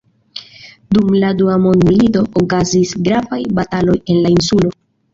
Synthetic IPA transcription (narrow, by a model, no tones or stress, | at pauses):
dumladuamo̞ndmilito̞ʔokazisɡɾavajbatalo̞je̞nlainsulo̞